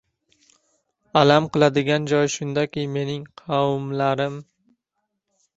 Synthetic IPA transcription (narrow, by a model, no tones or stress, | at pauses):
alamqɨlˠad̪ɪɡʲand͡ʒɒjʃʊnd̪akʲɪme̞nɪŋqʰɑwmlaɾɪm